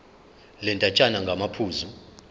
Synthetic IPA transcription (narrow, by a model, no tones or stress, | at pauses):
lɛntʼat͡ʃʼanaŋɡʱamapʰuːzu